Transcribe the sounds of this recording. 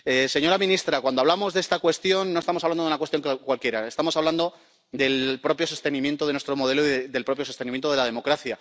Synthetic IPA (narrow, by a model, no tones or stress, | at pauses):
ese̞ɲo̞ɾamĩnist̪ɾakwand̪oaβlamo̞zðee̞st̪akwe̞st̪jo̞nːost̪amoaβland̪o̞unakwe̞st̪jo̞ŋkkwalkje̞ɾae̞st̪amosaβland̪o̞ | d̪e̞lpɾo̞pjo̞so̞st̪enĩmje̞nt̪oðe̞nwe̞st̪ɾo̞mo̞ð̞e̞loiðeðe̞lpɾo̞pjosost̪enĩmjent̪o̞ðeað̞e̞mo̞kɾaθja